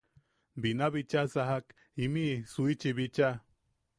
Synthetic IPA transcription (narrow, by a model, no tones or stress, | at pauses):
binaβit͡ʃasaɦak | imisuit͡ʃiβit͡ʃa